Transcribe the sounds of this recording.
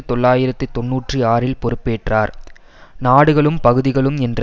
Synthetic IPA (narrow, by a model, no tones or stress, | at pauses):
ɯt̪ɔɭːaːjɪɾɐt̪ːɯt̪ɔnːuːʈrɯaːɾɪlpɔɾɯpːeːʈraːɾ | naːɽɯɣɐɭɯmpɐɣɯðɪɣɐɭɯmɛndrɐ